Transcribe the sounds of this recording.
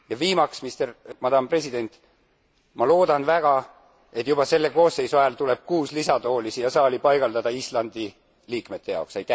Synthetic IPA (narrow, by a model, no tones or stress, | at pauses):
jɑviːmɑksmist̪ermɑd̪ɑmpre̞sid̪̥e̞nt̪ˑ | mɑlo̞ːd̪ɑnvæɡ̥ɑ | e̞t̪ːˑjub̥ɑse̞lːe̞ko̞ːsːe̞jsuɑjɑlt̪ule̞b̥̚kuːslisɑd̪o̞ːlisijɑsɑːlʲipɑjɡ̥ɑld̪ɑd̪ɑislɑnd̪̥i | liːkme̞t̪ːe̞jɑ̰wksɑjt̪ːˑæ